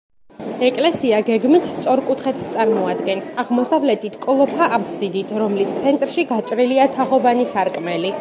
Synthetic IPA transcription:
ɛkʼlɛsiaɡɛɡmit̪ʰst̪sʼɔɾkʼut̪ʰχɛt̪st̪sʼaɾmɔad̪ɡɛnsaʁmɔsavlɛt̪ʰit̪ʰkʼlˠɔpʰaʔːɡzid̪it̪ʰɾɔmlist̪sʰɛnt̪ʼɾʃiɡat͡ʃʼɾiliat̪ʰaʁɔvanisaɾkʼmɛli

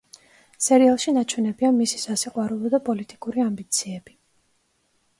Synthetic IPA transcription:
sɛɾialˠʃinat͡ʃʰwɛnɛbianmisi̥sasiqʼwaɾulˠɔd̪apʼɔlit̪ʼikʼuɾiambit̪sʰiɛb̥i

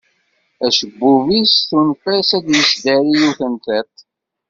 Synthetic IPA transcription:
æʃəbːuvisθunfæsæd̪jəsd̪əɾijuθənt̪æt̪

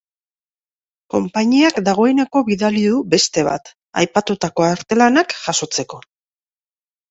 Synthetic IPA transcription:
ko̞mpaɲiakd̪aɣ̞o̞e̞ne̞ko̞βiðaliðube̞st̪e̞β̞a̰t̪ | a̰jpat̪ut̪ako̞aɾt̪e̞lanakʝaso̞t͡se̞ko̞

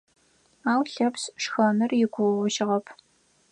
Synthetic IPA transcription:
aːwɬɐpsʂxɐmɨrjɪɡʷʊwʁʒɪʁɐpʰ

